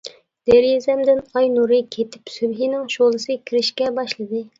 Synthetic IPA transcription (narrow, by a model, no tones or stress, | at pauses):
d̪̥eɾjizɛmd̪ɪnɑjnuɾɨkʲʰet̪ʰɪ̥psybɦinɪŋʃolˠɨsɨkʲʰiɾɪʃkʲɛbɑʃlˠɨd̪ɨ